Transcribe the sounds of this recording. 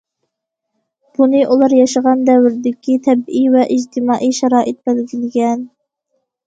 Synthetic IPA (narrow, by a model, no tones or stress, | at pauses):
b̥unɨʔulˠɑɾjɑʃəʁɑnd̪ɛwɾɪd̪ɪkʲit̪ʰɛbijvɛʔid͡ʒt̪ʰɪmɑːʔijʃɛɾɑːʔɨt̪̚bælɡʲilɪɡʲɛn